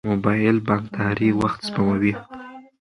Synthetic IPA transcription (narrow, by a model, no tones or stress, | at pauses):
mobɑjɪlbɑŋkt̪ʰahɾiwaxt̪spamawi